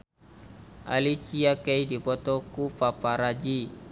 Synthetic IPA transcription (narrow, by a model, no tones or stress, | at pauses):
a̰lit͡ʃiakejdipɔt̪ɔkufapaɾad͡ʒi